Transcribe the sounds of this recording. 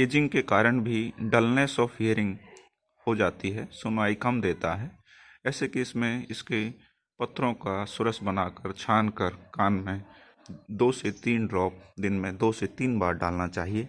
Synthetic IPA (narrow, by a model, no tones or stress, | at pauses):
eːd͡ʒɪ̃ŋɡkekaːɾəɽ̃bʱiɖaːlnesɔːfʰiəɾɪ̃ŋɡ | hod͡ʒaːt̪iɦɛsʊnaːikɐmd̪eːt̪aɦɛː | ɛːsekiɪsmẽɪske | pɐt̪ʰːɾõkasʊɾəsbənaːkəɾt͡ʃʰaːnkəɾkaːnmẽ | d̪oːset̪iːnɖɾɔːp̚d̪ɪnmẽd̪oːset̪iːnbaːɾɖa̰ːlnat͡ʃaːɦieː